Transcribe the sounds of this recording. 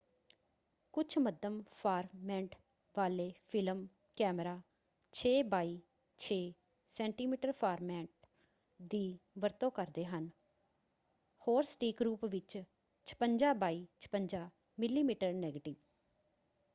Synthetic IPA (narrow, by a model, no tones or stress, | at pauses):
kʊt͡ʃʰməd̪əmpʰaːɾmɛ̃ːɳʈ | ʋaːleːpʰɪləm | kɛːmɾaː | t͡ʃʰeːbaːiː | t͡ʃʰeː | sɛːɳʈiːmiːʈəɾpʰaːɾmɛ̃ːɳʈ̚ | d̪iːʋəɾt̪õːkəɾd̪eːɦən | hoːɾsʈiːkɾuːpʋɪt͡ʃ | t͡ʃʰə̥pəɲd͡ʒaːbaːiːt͡ʃʰə̥pəɲd͡ʒaː | mɪlːiːmiːʈəɾnɛːɡəʈɪʋ